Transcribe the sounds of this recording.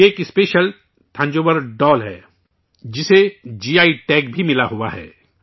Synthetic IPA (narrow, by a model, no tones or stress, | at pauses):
eːkɪspeːʃəl | ʈ̪ʰɐ̃ɲd͡ʒoːʋəɾɖɔːlɦɛ̰ː | d͡ʒɪsed͡ʒiːaːiʈɛːkbʱimɪlaɦua̰ɦɛ̰ː